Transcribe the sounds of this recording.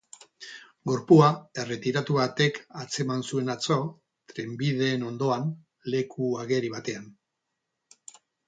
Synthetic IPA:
ɡo̞ɾpuae̞re̞t̪iɾat̪uβat̪e̞kat͡se̞mansue̞nat͡sa | t̪ɾe̞mbiðe̞ːno̞nd̪o̞an | le̞kʰuaɣe̞ɾiβat̪e̞an

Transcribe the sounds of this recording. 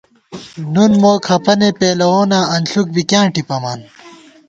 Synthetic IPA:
nunmoːkʰɐpɐnepeːlɐwoːnaːɐnɬuk̚bikjãːʈipɐmaːn

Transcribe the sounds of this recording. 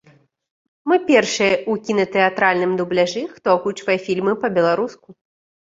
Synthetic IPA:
mɨpʲɛrʂɨjɐukʲinɐt̪ɛat̪ɾalʲnɨmd̪ublʲaʐɨxt̪ɔkut͡ʂvɐjɐfʲilʲmɨpɐbʲɛlˠaɾusku

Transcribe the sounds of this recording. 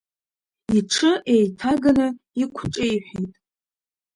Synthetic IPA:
iʈ͡ʂʰɨʔejtʰaɡanɨ | ikʷʰʈ͡ʂʼɨiħʷᶣijtʼ

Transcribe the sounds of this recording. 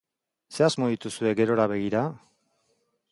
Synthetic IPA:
se̞azmo̞ðit̪usue̞ɡe̞ɾo̞ɾaβe̞ɣ̞iɾa

